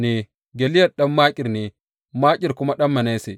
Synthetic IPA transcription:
nɛ˨ | ɡe˨li˦ja˦˨ɗa˦mːaː˦kʲʼi˨ɾnɛ˨ | maː˦kʼi˨ɾku˦ma˦ɗa˦mːa˨ne˦sɛ˨

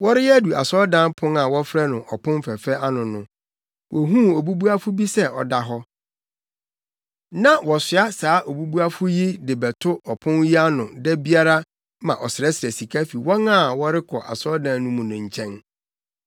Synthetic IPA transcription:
wɔ˦ɾɪ˦jɛ˦du˨a̰˨sɔ˦dã˦npʰʊ̃˦ŋa˨wɔ˦fɾɛ˦nʊ̃˨ʔɔ˨pʰʊ̃˦m˦fɛ˨fɛ˦a˦nʊ̃˨nʊ̃˨ | wʔɔ˨ɦũ˦o˨bu˦bu˦a˦fʊ˦bi˦sɛ˦ɔ̰˨da˨ɦɔ˦ | nã˦wɔ˨sɪ˨˦a˦saː˨˦ʔo˨bu˦bu˦a˦fʊ˦ji˦dɪ˨bɛ˨tʰʊ˦ɔ˨pʰʊ̃˦nji˦a˦nʊ̃˨dɛ˦bi˦a˦ɾa˦ | mã˨ʔɔ˨sɪ˨ɾɛ˦sɪ˨ɾɛ˨si˨kʰa˦fi˨wɔ̃˦nã˦˨wɔ˦ɾɪ˦kʰɔ˨ʔa̰˨sɔ˦dã˨nnʊ̃˦mũ˨nʊ̃˨ɲ̩˨t͡ɕʰɛ̃˦n

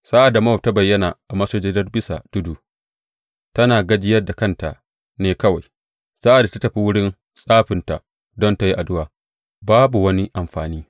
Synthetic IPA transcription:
sa˦ʔa˨da˨mɐ˦˨p̚ta˦bɐ˨jːɐ˦na˨ʔa˨mɐ˦soː˦d͡ʒeː˦dɐ˦rbɪ˦sa̰˨d̥ʊ˦duː˨ | tɐ˦naː˨ɡɐ˦d͡ʒɪ˦jɐ˦rda˨kɐ˦˨nta˨ʔ | neː˨kɐ˦wa˨j | sa˦ʔa˨da˨ta˦tɐ˨ɸi˦wʊ˦ɽɪ˦n | sʼaː˦ɸɪ˨nta̰˨ | dɔ˦nta˨ji˦ʔa˨dʊ˦waː˨ | baː˦bu˨wɐ˦ni˦ʔa˨mɸaː˨niː˦

